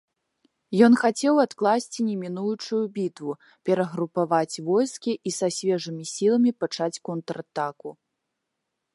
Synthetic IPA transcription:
jɔn̪xat͡sʲɛwat̪klˠasʲt͡sʲinʲɛmʲinujut͡ʂujubʲit̪vu | pʲɛɾɐɣɾupavat͡sʲvɔjskʲiʔisasʲvʲɛʐɨmʲisʲilˠɐmʲipat͡ʂat͡sʲkɔnt̪ɾat̪aku

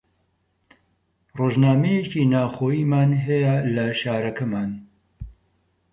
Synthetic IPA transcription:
roːʒnaːmejeciːnaːxoːjiːmaːnɦɛjalɐʃaːɾɐkʰɐmaːn

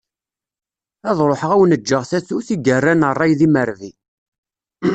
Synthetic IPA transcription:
æðˤɾˤoħʁæwənəd͡ʒːəʁθæθuθiɡərːænərˤːɑjðiməɾvi

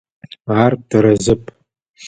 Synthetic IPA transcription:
aːrd̥ɨɾɐzɨpʼ

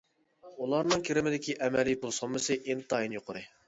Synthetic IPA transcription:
ulˠɑɾnɨŋkʲʰiɾɪmɪd̪ɪkʲiʔɛmɛlijpʰulˠsomːɨsɨʔint̪ɑjinjoqʰʊɾɨ

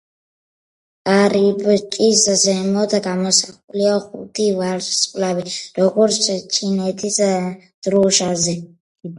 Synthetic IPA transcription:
aɾibt͡ʃʼizzɛmɔd̪aɡamɔsaχuliaχṵt̪ʰivaɾssʼkʼlabiɾɔɡɔɾsɛt͡ʃʰinɛt̪ʰizɛ | d̪̥ɾuʃazɛ

